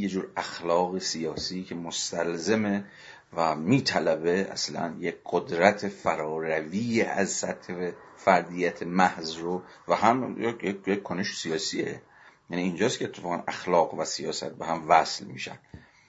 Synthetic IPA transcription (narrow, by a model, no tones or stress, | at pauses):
jed͡ʒuːɾæxlɒːɣesijɒːsiːcʰe̞most̪ælzeme̞ | væmiːt̪ʰælæbe̞æ̰slæ̰njekɢod̪ɾæt̪ʰefæɾɒːɾæviːeʔæzsæt̪hevefæɾd̪ijæt̪ʰemæhzɾo | væhæmjejejekkʰːoneʃsijɒːsie | jæniːnd͡ʒɒːskʰʲeːt̪ʰːefɒːɣænʔæxlɒːɣvæsijɒ̰ːsæ̰t̪̚beɦæmvæslmḭːʃæ̰nd̪̥